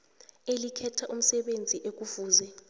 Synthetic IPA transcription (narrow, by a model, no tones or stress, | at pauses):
elikʰɛtʰaʔum̩sɛɓend͡zʱiʔek̬ufuːzɛ